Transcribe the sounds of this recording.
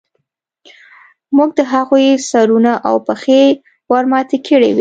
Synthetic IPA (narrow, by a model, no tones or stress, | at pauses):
muɡ̚d̪əɦaɣujsaɾunaʔa̰wpəxe | waɾmɑt̪əkʰəɽḛwi